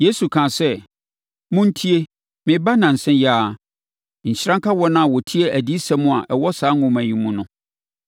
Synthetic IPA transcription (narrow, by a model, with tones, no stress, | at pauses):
je˦su˨kʰã˨sɛ˦ | mʊ̃˦n̩˦tʰi˦e˦ | mɪ̃˨ba˦nã˨n̩˨sɛ̃˦jaː˦˨ | ɲ̩˨ɕɾã˦ŋkʰa˦wɔ˦nã˦a˨wɔ˨tʰi˦e˦ʔæ˨di˦sã˦mʊ̃˦a˨ʔɛ˨wɔ˦saː˨˦ŋʊ̃˦mæ̃˨ɲĩ˨mũ˦nʊ̃˨